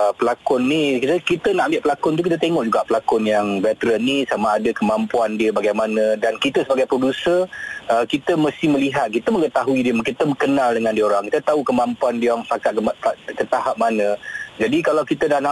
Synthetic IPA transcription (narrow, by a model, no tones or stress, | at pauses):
pəlakʊnːikit̪əkit̪ənaʔmbɪʔpəlakʊnt̪uk̬it̪ət̪eŋɔʔd͡ʒuɡaʔpəlakʊnjaŋvɛt̪əɾənːisamaːdəkəmãmpuandiəbaɡajmanə̃dankit̪əsəbaɡajpɾodusərəkit̪əməst̪ihməliɦat̪̚kit̪əməŋət̪aɦuidiəmkit̪əməkənãldəŋãndiəoɾaŋkit̪ət̪aukəmãmpuandiəaŋpakat̪̚kət̪aɦap̚manə̃d͡ʒadikalawkit̪ədahnaʔ